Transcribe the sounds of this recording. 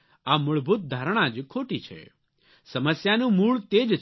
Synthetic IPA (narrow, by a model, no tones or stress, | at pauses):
amʊɭbʱut̪̚d̪ʱaɾəɽ̃ãd͡ʒkʰoːʈit͡ʃʰḛ | səməsjanũmuːɭt̪eːd͡ʒ